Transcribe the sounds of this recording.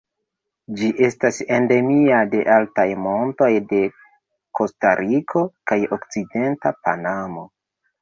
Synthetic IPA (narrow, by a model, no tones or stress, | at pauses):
d͡ʒiʔe̞stasende̞miade̞ʔaltajmo̞nto̞jde̞ | ko̞sta̰ɾʔikʰo̞kajo̞kt͡side̞ntapa̰namo̞